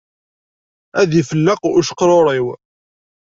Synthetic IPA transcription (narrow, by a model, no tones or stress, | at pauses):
æðifəlːəquʃə̥qːɾˤoɾˤiw